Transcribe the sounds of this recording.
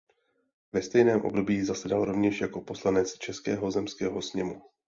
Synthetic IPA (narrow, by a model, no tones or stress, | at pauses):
vɛst̪ɛjnɛːmʔo̞̰bdo̞biːzasɛdalɾo̞vɲɛʃjako̞po̞slanɛt͡st͡ʃɛskɛːɦo̞zɛmskɛːɦo̞sɲɛmu